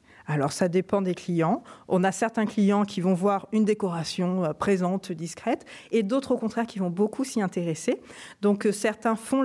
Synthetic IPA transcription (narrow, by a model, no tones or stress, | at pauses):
alɔ̰ʁsad̪epɑ̃d̪eklijɑ̃ɔ̰̃nasɛʁt̪ɛ̃klijɑ̃kʲʰivɔ̃vwaʁynd̪ekɔʁasjɔ̃øpχezɑ̃t̪d̪iskχɛt̪ed̪ot̪χokɔ̃t̪χɛʁkʲivɔ̃bokʰusiɛ̃t̪eʁesed̪ɔ̃ksɛʁt̪ɛ̃fɔ̃